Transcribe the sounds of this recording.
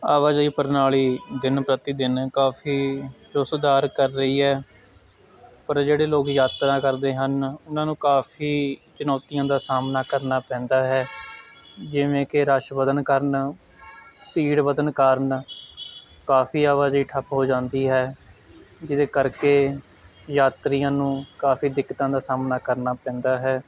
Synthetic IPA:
aːʋaːziːpəɾnaːliːd̪ɪnpɾət̪iːd̪ɪnkaːfʰiːɾʊsd̪aːɾkəɾːəiːɦɛː | pəɾd͡ʒeːɽeːloːkjaːt̪ɾãːkəɾd̪eːɦənʊnãːnũːkaːfʰiːt͡ʃʊnɔːt̪ɪjãːd̪aːsaːmnaːkəɾnaːpɛ̃ːnd̪aːɦɛː | d͡ʒɪʋẽːkɪɾəʃbəd̪ənkəɾn | piːɽbəd̪ənkaːɾən | kaːfiːaːʋaːziːʈʰəpɦoːd͡ʒãːnd̪iːɦɛː | d͡ʒɪd̪eːkəɾkeː | jaːt̪ɾɪjãːnũːkaːfiːd̪ɪkːt̪ãːd̪aːsaːmnaːkəɾnaːpɛ̃ːnd̪aːɦɛː

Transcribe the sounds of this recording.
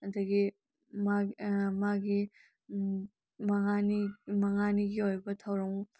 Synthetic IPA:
ɐdɐɡi | mamaɡi | mɐŋanimɐŋaniɡiojbɐtʰawɾɐŋ

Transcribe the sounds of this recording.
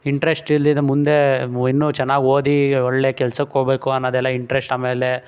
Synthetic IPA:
iɳʈɾesʈilːid̪ɐmund̪e̞inːut͡ʃɛnːaːɡioːd̪iɔɭːeːkɛlsɐkkːoɽbeːkuɐnːɐːd̪ɛlːɐiɳʈɾesʈaːmeːle

